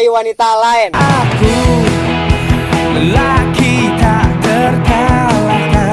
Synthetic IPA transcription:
iwanit̪alaɛnʔaku | əlakid̪ad̪ərt̪ala | a

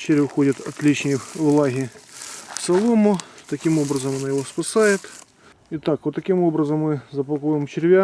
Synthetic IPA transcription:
t͡ʃɪɾʲʊxodʲɐt̪ɐt̪lʲit͡ɕnʲijʋlˠɑɦʲi | fsɐlˠomʊt̪ɐkʲimobɾɐzɐmɐnajɪʋospɐsajɪt̪ | it̪akʋot̪ːɐkʲɪmobɾɐzɐmːɪzɐpɐlˠkojɪmt͡ʃɪɾʲʋʲa

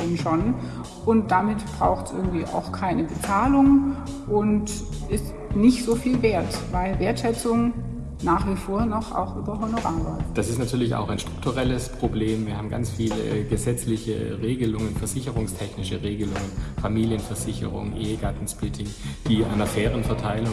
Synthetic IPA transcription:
onʃon | ʔʊnt̚d̥amɪtb̥ʁa̰ʊxtsʔɪɐɡŋ̩tv̥iːʔa̰ʊxkʰaɪnəbət͡saːlʊŋʔʊntɪs | nɪçtz̥oːfiːlveːɐtvaɪlveːɐtʃɛt͡sʊŋ | naːχv̥ifoːɐnɔχʔa̰ʊxʔyːbɐɦonoʁaːvɐd̥asɪstnatʰyːɐlɪça̰ʊxaɪnʃtʁ̥ʊk̚tʰuʁɛləspʁ̥obleːmviːɐɦaːbm̩ɡa̰nt͡sfiːlə̰ɡəzɛt͡slɪçə̰ʁeːɡəlʊŋənfɛɐz̥ɪçəʁʊŋstʰɛçnɪʃəʁeːɡəlʊŋənfamiːljənfɛɐzɪçə̰ʁʊ̰ŋʔeːəɡaɐtn̩splɪtʰɪŋd̥iːʔa̰ɪnɐfɛːʁənfɛɐtʰaɪlʊ

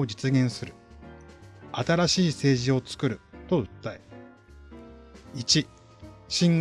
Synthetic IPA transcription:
od͡ʑit͡sɨɡʲẽ̞ɰ̃sɨɾɯ̟ | at̪aɾaɕiːse̞ːʑio̞t͡sɨ̥kɯ̟ɾɯ̟t̪o̞ɯ̟t̪ːae | it͡ɕi | ɕĩŋ

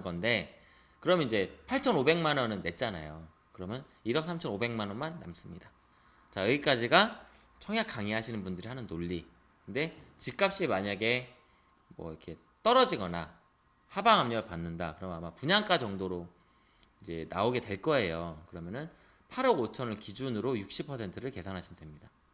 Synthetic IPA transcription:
ɡʌnde̞ | kɯɾʌmnid͡ʑe̞pʰaɭt͡ɕʰʌnobe̞ŋmanʌnɯnːe̞t̚t͡ɕ͈ana̰jo | kɯɾʌmjʌn | iɾʌk̚sʰamt͡ɕʰʌnobe̞ŋmanʌnmanːa̰ms͈ɯmɲida | t͡ɕaɯɡik͈ad͡ʑiɡa | t͡ɕʰʌŋjak͈aŋiɦaɕʰinɯnbundɯɾɯɭɦanɯnːoʎːi | kɯnde̞t͡ɕik͈ap̚ɕ͈imaɲaɡe̞ | mwʌ̰iɾkʰe̞ | t͈ʌɾʌd͡ʑiɡʌna | habaŋɦamɲʌɭpanːɯndakɯɾʌmjnamapuɲaŋk͈ad͡ʑʌŋdoɾo | id͡ʑe̞na̰oɡedwe̞ɭk͈ʌe̞jokɯɾʌmjʌnɯn | pʰaɾʌɡot͡ɕʰʌnɯɭkid͡ʑunɯɾojuk̚ɕ͈ipʰʌsʰe̞ntʰɯɾɯɭke̞sʰanɦaɕʰimndwemɲida

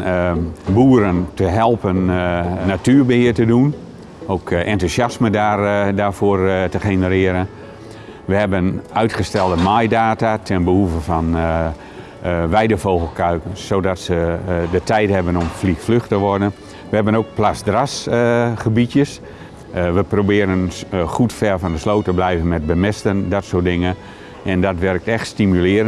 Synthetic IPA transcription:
buːəɾəntʰəɦɛlˠpənnatyːɹbəhɪətədun | owkʔɛntusjasmədardafoːərtəχenəɾɪəɾən | ʋəhɛbənœɥtχəstɛlˠdəmajdaːtatʰɛnbəhuvəfɔn | ʋɛjdəfowɣəl̩ˠkœɥkənsodɔtsədətʰɛjthɛbənɔmflikfløxtəʋɔrdən | ʋəɦɛbənoːk̚plasdrasχəbitjəs | ʋəprobɪːɾənχutfɛlfɔndəsloːtəblɛjvənmɛt̚bəmɪstəndɔtsoət̚dɪŋən | ʔɛndɔtʋɛrk̚tɛxtstimylɪːɾə

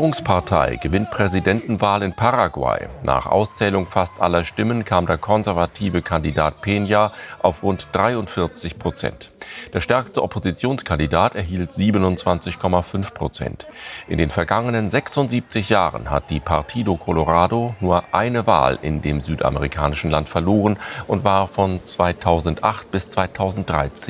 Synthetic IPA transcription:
ɡiːʁʊŋspʰaɐtʰa̰ɪɡəvɪnt̚pʁ̥ɛzidɛntn̩vaːlɪnpʰaʁaɡwa̰ɪna̰ːχʔa̰ʊst͡sɛːlʊŋfastʔalɐʃtɪmənkʰaːmdeːɐkʰɔnzɛɐvatʰiːvəkʰandida̰ːt̚pʰeːnjaʔaʊfʁʊntd̥ʁaɪʊntfɪɐt͡sɪçpʁ̥ot͡sɛ̰ntd̥eːɐʃtɛɐkstəʔɔpʰozit͡sjoːnskʰandidaːtɛɐɦiːltz̥iːbənʊntt͡sv̥ant͡sɪçkʰɔmafʏnfpʁ̥ot͡sɛ̰ntʔɪndeːnfɛɐɡaŋənənzɛksʊntz̥iːp̚t͡sɪçjaːʁə̰nha̰t̚d̥iːpʰa̰ɐtʰiːdokʰɔloʁaːdonuːɐʔaɪnəva̰ːlɪ̰ndḛːmzyːtʔa̰məʁikʰa̰ːnɪʃn̩lantfɛɐloːʁənʔʊntv̥aːɐfɔnt͡sv̥aɪtʰaʊzn̩tʔaχt̚b̥ɪst͡sv̥aɪtʰaʊzn̩t̚d̥ʁa̰ɪt͡seːn

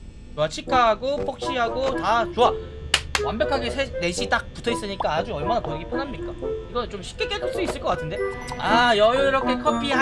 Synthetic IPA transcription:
t͡ɕoat͡ɕʰikʰaːɡopʰʌk̚ɕ͈iɦaɡotat͡ɕowa | wambjʌkʰaɡesʰene̞ɕʰit͈ak̚pu̥tʰʌis͈ɯɲik͈aːd͡ʑuʌɭmanapojeɡipʰjʌnamɲik͈aiɡʌnt͡ɕomɕʰi̥p̚k͈e̞k͈edʰuɭs͈uis͈ɯɭk͈ʌk͈atʰɯnde̞ajʌɾʌkʰe̞kʰʌpʰia

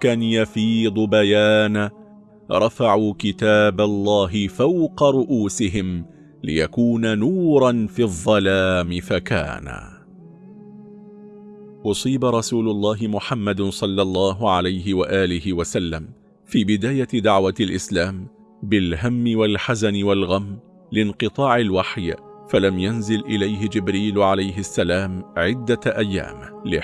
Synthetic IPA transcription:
kanjafiːd̪ˤʊbajaːna | ɾˤɑfaʕuːkɪt̪aːbalˤːɑːɦɪfawqɑɾˤʊʔuːsɪɦɪm | lɪ̰jakuːnanuːɾˤɑnfiːðˤːɑlaːmɪfaka̰ːna̰ | ʔʊsˤiːbaɾˤɑsuːlʊlˤːɑːɦɪmʊħamːad̪sˤɑlːɑlˤːɑːɦʊʕalajɦɪwaʔaːlɪhɪwasalːam | fiːbɪd̪aːjad̪aʕwalʔɪ̰slaːm | bɪlɦamːɪwalħazanɪwalɣamː | lɪnqɨt̪ˤɑːʕalwaħjfalamjanzɪlʔɪlajɦɪd͡ʒɪbɾiːlʕalajɦɪsːalaːmʕɪd̪ːaʔajːa̰ːmlɪ

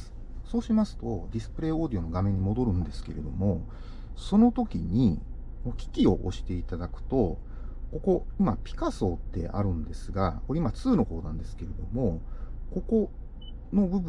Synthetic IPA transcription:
so̞ːɕimasɨ̥t̪o̞d̪ʲisɨ̥pɯ̟ɾe̞ːo̞ːd̪io̞no̞ɡamẽ̞ɲ̟ːimo̞d̪o̞ɾɯ̟̃nd̪e̞sɨ̥ke̞ɾe̞d̪o̞mo̞ | so̞no̞t̪o̞kʲḭɲ̟i | mokʲi̥kʲio̞̰ʔo̰ɕi̥t̪e̞it̪ad̪akɯ̟̥t̪o̞ | ko̞ko̞imapʲi̥kaso̞ːt̪ːe̞̰ʔa̰ɾɯ̟̃nd̪e̞sɨɡa̰ko̞eimat͡sɨːno̞ho̞ːnãnd̪e̞sɨ̥ke̞ɾe̞d̪o̞mo̞ko̞ko̞ | no̞bɯ̟b

